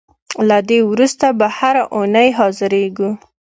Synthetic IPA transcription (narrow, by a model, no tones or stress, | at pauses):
lad̪ewɾust̪abahaɾaʔonəjɦɑzɪɾeɡu